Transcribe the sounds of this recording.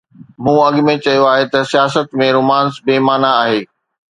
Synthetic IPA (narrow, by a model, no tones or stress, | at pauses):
mũːɐɠmẽt͡ɕɐjoaːɦet̪ɐsijaːsət̪mẽɾoːmaːnsbeːmaːnaːɦeː